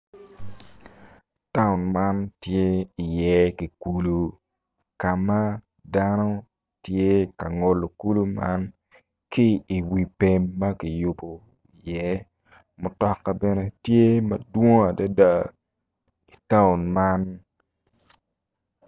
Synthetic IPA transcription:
ta˦ʊ˨nma˦ntje˦i˨jɛ˨˦ki˨ku˨lu˦ | ka˨ma˦ | da˦no˦ | tje˦ka˨ŋo˨lo˨ku˦lu˦ma̰˦n | kɪː˦˨wi˨pe˦mːɐ˦ki˨ju˨bo˨ | i˨jɛ˦ | mʊ˨tɔ˦kːa˦bɛ˦nɛ˦tje˦mɐ˨dwo˦ŋa˨da˦da˨ | i˨ta˦ʊ˨nma˦n

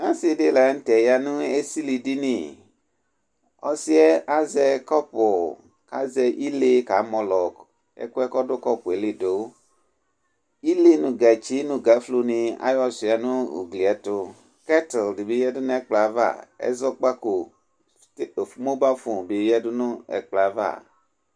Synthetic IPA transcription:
ã˦si˨de˦˨lɛ˨˦n̩˦tɛ˨ja˧nũ˦e˦si˦li˧di˦ni˦˨ | ɔ̰˦si˦ɛ˦a˦zɛ˧kɔ˦pʊ˨ | ka˦zɛ˧ʔi˦le˦ka̰˨˦mɔ˧lɔ˨k | ɛ̰˦kʊ˦ɛ˦kɔ˦dʊ˦kɔ˦pʊ˨e˨˦li˦do˨˦ | i˦le˦nũ˨ɡɛ˨t͡ʃi˦nũ˨ɡa˨˦flu˧nĩ˧a̰˦jɔ˦si˨a˨nũ˦ṵ˨ɡli˨ɛ˨˦tʊ˧ | kɛ˦tldi˨be˨˦jɛ˦dʊ˦nũ˦ɛ˦k͡pla˨va̰˦˨ɛ̰˦zɔ˦k͡pa˦ko˨ | to˨fmo˦ba˦fu˨be˨˦jɛ˦dʊ˦nũ˦ɛ̰˨k͡pla˨˦va̰˦˨

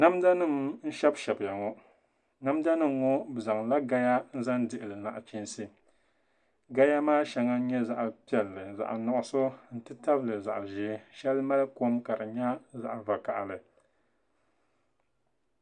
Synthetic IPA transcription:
na˦mda˦nɨ˦˨mn̩˦ʃɛ˦bʃɛ˨bja˨ŋɔ˦ | na˦mda˦nɨ˦mŋo˦bza˨ŋla˦ɡa˦ja˦n̩˦za˦ndɨ˨ʔɨ˨lɨ˨na̰˨ʔt͡ʃi˦n˦sɨ˦ | ɡa˦ja˦maː˦ʃɛ˨ŋa˦n̩˦ɲɛ˦za˨ʔa˨pi˨ɛ˨lːɨ˨za̰˨ʔa̰˨nɔ˨ʔʊ˦so˦n̩˦tɨ˦ta˦blɨ˨za̰˨ʔʒi˨˦ʃɛ˦lma˦lko˦mka˨ɾɨ˨ɲa˦za˨ʔva˨ka˨ʔlɨ˨

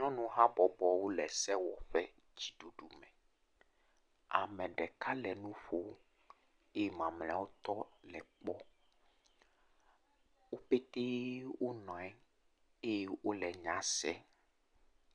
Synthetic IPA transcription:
ɲɔ̃˦nũ˦ɦa˦bɔ˨bɔ˨wo˦lɛ˨sɛ˦wɔ˨ɸɛ˦ | d͡ʑi˨ɖu˨ɖu˨mɛ̃˨ | a˨mɛ̃˨ɖɛ˨ka˦lɛ˨nũ˦ɸo˨˦ | e˦je˦mã˨ml̃a˦wo˦t̪ɔ˦lɛ˨k͡pɔ˦ | wo˦pe˦t̪e˦wo˦nɔ̃˨ɛ˦ | e˦je˦wo˦lɛ˨ɲã˨sɛ˦

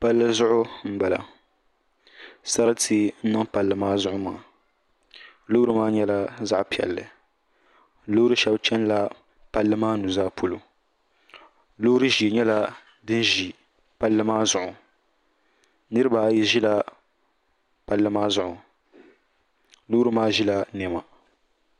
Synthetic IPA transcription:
pa˦lːɨ˦zʊ˦ʔʊ˦m̩˦ba˨la̰˨ | sa˦ɾɨ˦tʰi˨n̩˦nɨ˦ŋpa˨lːɨ˨maː˦zʊ˦ʔʊ˦ma̰ː˨˦˨ | lo˦ɾɨ˦maː˦ɲɛ˦la˦za˦ʔpi˨ɛ̰˨lːɨ˨ | lo˦ɾɨ˦ʃɛ˦bt͡ʃɛ˦nla˦ | pa˦lːɨ˦maː˦nu˨zaː˦pʰo˨lo˨ | lo˦ɾɨ˦ʒi˨e˨ɲɛ˦la˦ | dɨ˦n˦ʒi˨ | pa˦lːɨ˦maː˦zʊ˨ʔʊ˨ | nɨ˦ɾɨ˦baː˨˦ji˦ʒi˦la˦ | pa˨lːɨ˦maː˦zʊ˨ʔʊ˨ | lo˦ɾɨ˦maː˦ʒi˦la˦nɛ˨ma˨

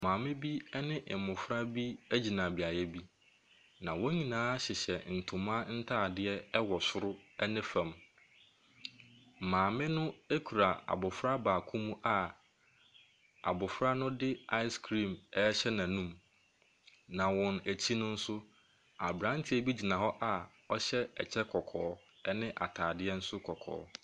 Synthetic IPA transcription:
mãː˨mɪ̃˦bi˦ɛ˦nɪ̃˦ʔɪ˨mʊ̃˨fɾa˦bi˦æ˦d͡ʑi˨nã˨bi˨a˨jɛ˦bi˦ | nã˨wɔ˦ɲĩ˨nãː˦ɕɪ˨ɕɛ˨n̩˨tʰʊ˨mã˦n̩˦tʰaː˦˨dɪ˦ɛ˦wɔ˨sʊ˦ɾʊ˦ɛ˦nɪ̃˦fã˨m | mãː˨mɪ̃˦nʊ̃˦e˦kʰu˨ɾa˨a̰˨bʊ˨fɾa˦baː˨kʰũ˦mũ˦ʔa˨ | a̰˨bʊ˨fɾa˦nʊ̃˦dɪ˦a˦ɪ˦skʰɾĩ˦˨mɛ˦ɕɛ˦nã˨nũ˦m | nã˨wɔ̃˨næ˨t͡ɕʰi˦nʊ̃˦n̩˦sʊ˦ | a˨bɾã˦n˦tʰɪ˦e˦bi˦d͡ʑi˨nã˨hɔ˦ʔa˨ | ɔ˦ɕɛ˦ɛ̰˨t͡ɕʰɛ˦kʰɔ˨kʰɔː˨˦ | ɛ˦nɪ̃˦ʔa̰˨tʰaː˨dɪ˦ɛ˦n̩˦sʊ˦kʰɔ˨kʰɔ̰ː˨˦

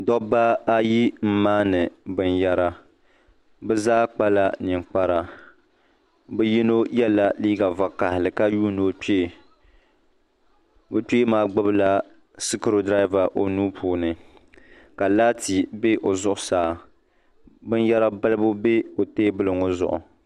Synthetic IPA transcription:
dɔ˦ba˦a˦ji˦m̩˦maː˦nɨ˨bɨ˦nja˦ɾa˦ | bɨ˦zaː˦k͡pa˦la˦nɪ˨ŋ͡mk͡pa˦ɾa˨ | bɨ˦ji˦no˦jɛ˦la˨liː˦ɡa˨va˨ka˨hɪ˨lɨ˨ka˦juː˦no˨k͡pe˦˨ | bɨ˦k͡peː˦maː˦ɡ͡bʊ˦bɨ˦la˦ | si˦kɨ˦ɾo˨dɾa˦ɪ˦va˨ʔo˨nuː˦pʰuː˦nɨ˨ | ka˨laː˦ti˨be˦ʔo˨zʊ˦˨ʔʊ˦saː˨ | bɨ˦nja˦ɾa˦bɨ˦lɨ˦bʊ˦be˦o˨teː˦bɨ˦lɨ˨ŋo˦zʊ̰˨ʔʊ̰˨

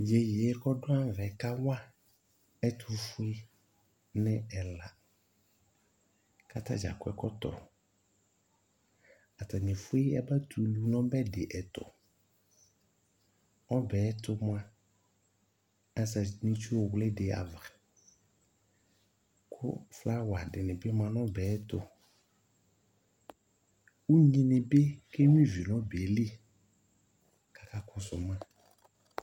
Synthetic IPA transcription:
je˨je˨˦kɔ˦dʊ˦ã˦˨vɛ˨ka˦wa˦ | ɛ˦tʰʊ˨fʊ˦i˦ | nɪ̃˦ɛ˨la˨ | ka˦tʰa̰˦d͡ʒa̰˨kʊ˨ɛ̰˨kɔ˦tɔ̰˨ | a˨ta˨nɪ̃˨fʊ˦i˦ɛ˦ba˦tʰu˨˦lu˦nɔ̃˦bɛ˦dɪ˨ʔɛ˨tɔ̰˨ | ɔ˦bɛː˨˦tʊ˦mʊ˦ã˦ | ɛ˦sa˨nĩ˦t͡ʃu˦ɔ˨wlɪ˦dɪ˨a̰˨vɾɛ˨ | kʰʊ̰˦fla˦wa˨dɪ˨nɪ̃˨bɪ˦m˦ã˨nɔ̃˦bɛː˨˦tʊ̰˨ | u˦ɲĩ˨nɪ̃˨be˦ke˦mĩ˦vi˨nɔ̃˦be˨ɛ˨li˦ | kḁ˨ka˦kʊ̃˨sʊ˨m˦ã˦

